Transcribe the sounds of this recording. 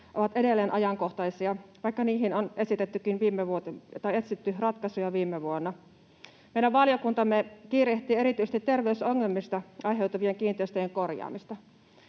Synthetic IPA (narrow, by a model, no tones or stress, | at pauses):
ʔoʋɑt̪e̞delːeːnʔɑjɑŋkoht̪ɑjsiɑʋɑikːɑniːɦinonʔe̞sit̪et̪ːykːinʋiːmːeʋuot̪et̪ɑjet̪sit̪ːyrɑt̪kɑsujɑʋiːmːeʋuonːɑ | mejɾæʋʋɑljokunt̪ɑmːekiːreht̪iːe̞ɾit̪yjse̥st̪it̪ːe̞rʋeusoŋːelmist̪ɑʔɑjɦe̞ut̪ɑʋieŋkiːnt̪ˑeist̪øjeŋko̞rjɑ̰ːmist̪ɑ